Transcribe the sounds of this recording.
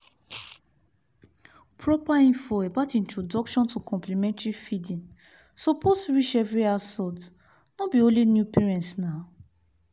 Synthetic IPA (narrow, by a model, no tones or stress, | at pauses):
pʰɹɔpaĩnfɔɛbatĩntɹodɔkʃɔ̃ntukʰɔ̃mplimɛ̃ntɹifidĩn | sɔpʰostuɹit͡ʃɛvɹiasɔd | nɔbiõlinjupɛɹɛ̃ntna